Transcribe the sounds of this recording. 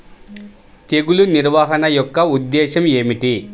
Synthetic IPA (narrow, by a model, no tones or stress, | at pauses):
t̪e̞ɡuluniɾʋaːɦɐnɐjɔkːɐud̪ːɛːʃɐme̞ːmiʈi